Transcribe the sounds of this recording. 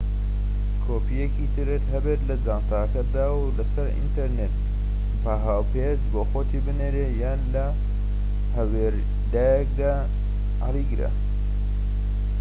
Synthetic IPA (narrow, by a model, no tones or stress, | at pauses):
kʰoːpʰijekit̪ʰɨɾɨt̪ɦɐbet̪lɐd͡zaːnt̪aːkɐd̪aːwlɐsɐɾḭnt̪eɾnet̪ | pʰaɦaːwpʰezboːxoːt̪ʰibɨneːɾeːjaːnlɐ | hɐweɾ | d̪aːjek̚d̪aː | a̰liɡɨɾɐ̰